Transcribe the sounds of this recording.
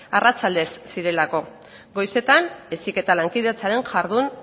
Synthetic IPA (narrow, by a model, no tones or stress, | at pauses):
arat͡sald̪e̞sːiɾe̞lako̞ | ɡo̞jse̞t̪ane̞sike̞t̪alaŋkiðet͡saɾe̞nʝaɾðun